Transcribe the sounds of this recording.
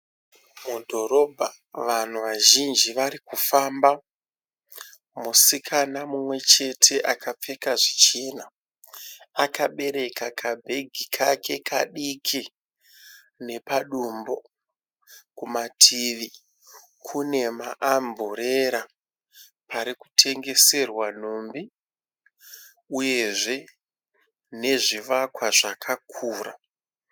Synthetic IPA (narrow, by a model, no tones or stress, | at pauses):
mudʱo̞ɾo̞bʱa | ʋan̤uʋaʒind͡ʒiʋaɾikufamba | musikʰanamumwe̞t͡ʃe̞tʰe̞ʔakap͡fe̞kaʐit͡ʃena | akaɓe̞ɾe̞kakʰabʱe̞ɡʱikʰakʰe̞kʰaɗikʰi | ne̞paɗumbo̞ | kumatʰiʋi | kʰune̞maʔamboɾe̞ɾa | paɾiku̥tʰe̞ŋɡe̞se̞rwan̤ombi | uje̞ʐe̞ | ne̞ʐiʋakwaʐakʰakʰuːra̰